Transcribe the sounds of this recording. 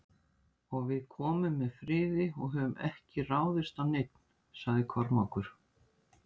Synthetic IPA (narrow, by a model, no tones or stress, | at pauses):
ɔɣvɪðkʰɔːmʏmːɛðfɾɪːðɪɔɣɦœːvʏmʔɛhcɪraːwðɪst̪awnejt̪n̥ | saɣðɪkʰɔɾmawkʏɾ̥